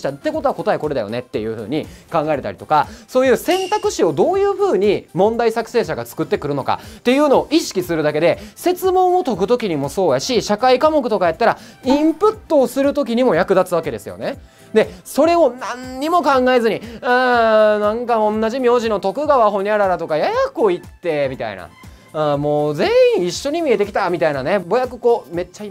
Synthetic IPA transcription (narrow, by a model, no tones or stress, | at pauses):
t̪at̪ːe̞kot̪o̞ako̞t̪aeko̞ɾed̪a̰jo̞̰ne̞t̪ːe̞jɯ̟ːɸɯ̟̰ːɲ̟ikãŋɡaet̪aɾit̪o̞kaso̞ːjɯ̟ːsẽ̞nt̪akɯ̟ɕio̞d̪o̞ːjɯ̟ːɸɯːɲ̟imõ̞nd̪aisakɯ̟̥se̞ːɕaɡat͡sɨ̥kɯ̟t̪ːe̞kɯ̟ɾɯ̟no̞ka̰t̪ːe̞jɯ̟ːno̞ːʔiɕi̥kʲisɨɾɯ̟d̪ake̞d̪e̞se̞t͡sɨmõ̞ɰ̃ot̪o̞kɯ̟t̪o̞kʲiɲ̟imo̞so̞ːjaɕiɕakaikamo̞kɯ̟t̪o̞kajat̪ːaɾa | ĩmpɯ̟t̪ːo̞ːsɨɾɯ̟t̪okʲiɲ̟imo̞jakɯ̟d̪at͡sɨβake̞d̪e̞sɨjo̞̰ne̞ | d̪e̞so̞ɾe̞o̞nãnɲimo̞kãŋɡaezɨɲ̟iaːnãŋkaõ̞nːaʑimʲjo̞ːʑinot̪o̞kɯ̟ɡaβaɦo̞ɲ̟iaɾaɾat̪o̞kajajakɯoit̪ːe̞mʲit̪a̰ḭna̰ | moːze̞ĩiɕːo̞ɲ̟imʲie̞t̪e̞kʲi̥t̪amʲit̪ainane̞bo̞jakɯ̟ko̞ːme̞t͡ɕːai